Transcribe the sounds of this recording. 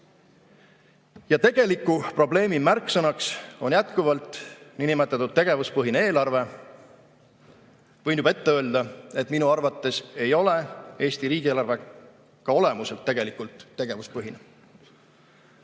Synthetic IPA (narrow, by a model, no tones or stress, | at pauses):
jɑt̪e̞ɡ̥e̞likːˑupro̞ble̞ːmimærkːˑsɑnɑkso̞njæt̪kuvɑlt̪ˑninimet̪ːˑɑt̪ːˑudt̪̚t̪ːe̞ɡ̥e̞vuspɤɦinee̞ːlɑrve̞ | vɤjnjub̥ɑe̞t̪ːeøːld̪̥ɑe̞t̪ːminuɑrvɑt̪ːe̞se̞jo̞le̞e̞ːst̪iɾiːɡ̥ʲieːlɑrve̞ | kɑo̞le̞muse̞lt̪ːe̞ɡ̥elikːˑult̪ːe̞ɡ̥e̞vuspɤɦine